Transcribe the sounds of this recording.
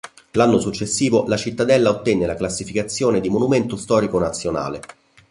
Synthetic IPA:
lanːosut͡ʃːesːiːvolat͡ʃit̪ːad̪ɛlːaot̪ːɛnːelaklasːifikat̪sːjoːned̪imonument̪ost̪ɔːɾikonat̪sːjona̰ːlḛ

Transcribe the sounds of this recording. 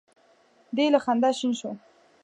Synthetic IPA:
d̪elaxand̪aʃinʃo

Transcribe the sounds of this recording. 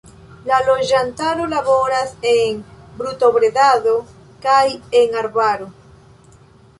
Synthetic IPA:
lalo̞d͡ʒantaɾolaβo̞ɾaseŋbɾut̪o̞βɾeðaðo | kaje̞ŋaɾbaɾo

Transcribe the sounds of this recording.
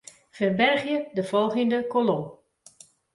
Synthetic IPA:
fərbɛrχjədəvɔlˠχəndəkolɔm

